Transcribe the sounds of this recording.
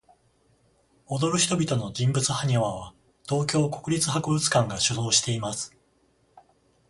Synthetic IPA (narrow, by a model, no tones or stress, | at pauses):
o̞d̪o̞ɾɯ̟çi̥t̪o̞bʲit̪o̞no̞d͡ʑĩmbɯt͡sɨhaɲ̟eβaβ̞a | t̪o̞ːkʲo̞ːko̞̥kɯ̟ɾʲit͡sɨɦakobɯ̟t͡sɨ̥kãŋɡaɕɨzo̞ːɕi̥t̪e̞imasɨ̥